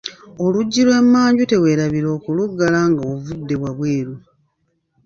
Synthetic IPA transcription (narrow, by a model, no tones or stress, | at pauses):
o̞luɟːilwe̞mːaːɲɟute̞we̞ːɾaβiɾo̞ːkuluɡːalaːŋɡawovudːe̞βwaβwe̞ːɾu